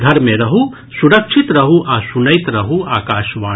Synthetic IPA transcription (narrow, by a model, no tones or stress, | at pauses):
d̪ʱɐɾmẽɾɐɦu | suɾɐkʃʰit̪ɾɐɦuʔasunəjt̪ɾɐɦuaːkaːʃʋaː